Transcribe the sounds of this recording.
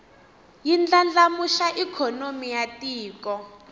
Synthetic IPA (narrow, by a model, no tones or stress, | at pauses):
jind͡ɮand͡ɮamuʃaʔikʰɔnomijatiːkɔ